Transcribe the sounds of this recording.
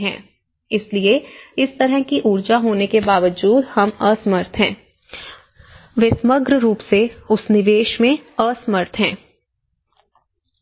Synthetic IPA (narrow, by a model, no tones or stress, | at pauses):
ɦɛ̰̃ː | ɪslieɪst̪əɾɦə̃kiʔuːɾd͡ʒaɦoːnekebaːʋəd͡ʒuːd̪hɐmɐsməɾt̪ʰɦɛ̃ː | ʋɪsməɡɾəɾuːpseʊsnɪʋeːʃmẽəsməɾt̪ʰɦɛ̃ː